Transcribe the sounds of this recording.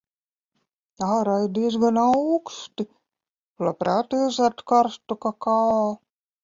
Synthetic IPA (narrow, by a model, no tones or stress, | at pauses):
ɑːɾajd̪iːs̬ɡanawkst̪i | lapɾaːt̪izat̪kɑɾst̪ukakɑː